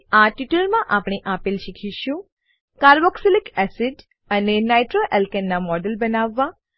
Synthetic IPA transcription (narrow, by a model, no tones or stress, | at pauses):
aʈiʈəɾmãʔapɽiʔapilʃikʰiʃũ | kaɾbɔksilikɛsiɖ | ənenajʈɾoʔɛlkənːamɔɖəlbənaʋːa